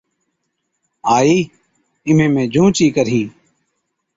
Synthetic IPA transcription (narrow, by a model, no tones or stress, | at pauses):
aːiː | ɪmẽːmẽːd͡ʒʱũːt͡ʃiːkəɾɦĩː